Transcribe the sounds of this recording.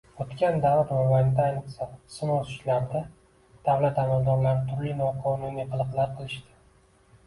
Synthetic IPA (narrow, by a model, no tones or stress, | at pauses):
ot̪kʲand̪avat̪mamaj̪d̪aajnɨqsasɪnoʊ̥ʃlamd̪ɪ | d̪̥avlat̪amalˠd̪ɒɾlaɾɪt̪ʰʊɾlɪnɒqʰɒnuniqʰɨlˠɨqlˠaɾ̚qʰɨlˠɪʃt̪ɪ̥